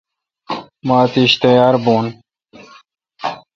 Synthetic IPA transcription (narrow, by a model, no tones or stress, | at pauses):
maːt̪iːɕt̪ejaːɾboːn